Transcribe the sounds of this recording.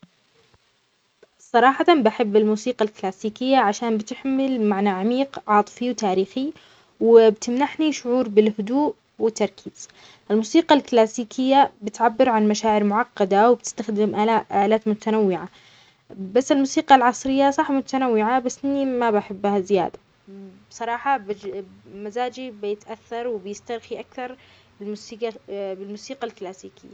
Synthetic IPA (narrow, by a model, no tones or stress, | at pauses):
sˤɑɾˤɑːħɑt̪ambaħɪbːɪlmuːsiːqalklaːsiːkɪjːaʕaʃaːnbɪt̪ɪħmɪlmaʕnaʕamiːqʕɑːt̪ˤɨ̥fiwt̪aːɾiːxi | wɪbt̪ɪmnaħniʃʊʕuːɾbɪlhʊd̪uːʔ | wɪt̪ːɑɾˤkʰiːz̥ | ʔɪlmuːsiːqɑlklaːsiːkʰɪjːabɪt̪ʕabːɪɾʕanmaʃaːʕɪɾmʊʕɑqːɑd̪awɪb̚t̪ɪ̥st̪axd̪ɪmʔaaʔaːlaːt̪mʊt̪anawːɪʕa | basːɪlmuːsiːqɑlʕɑsˤɾɪjːasˤɑħmʊt̪anawːɪʕabasːʔɪnːimabaħɪbːhazɪja̰ːd̪a | bsˤɑɾˤɑːħɑbɪmazaːd͡ʒibjɪt̪ʔaθːɑɾˤwɪbjɪst̪ɑɾˤxiʔakθɑɾˤ | bɪlmusiːqbɪlmuːsiːqalklaːsiːkɪ̰jːa